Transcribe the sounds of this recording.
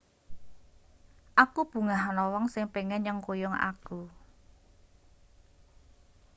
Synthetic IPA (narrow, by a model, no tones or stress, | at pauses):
ʔakub̥ṳŋaɦanɔwɔŋsɪŋpeŋɛnɲəŋkojɔŋa̰ku